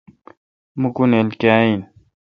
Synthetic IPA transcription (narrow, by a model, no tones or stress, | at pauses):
mukunelkaːin